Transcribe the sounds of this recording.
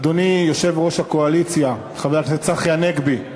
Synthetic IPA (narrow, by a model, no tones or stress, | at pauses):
d̪o̞nijo̞ʃe̞vʁo̞ʃhakoalit͡sja | χaveaet͡saχjaneɡbi